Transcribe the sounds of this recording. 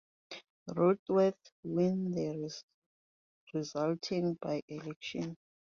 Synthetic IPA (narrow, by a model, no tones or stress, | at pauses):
rodwɛθwĩndɛ | rizaltʰĩŋbajʔɛlɛkʃɔ̃n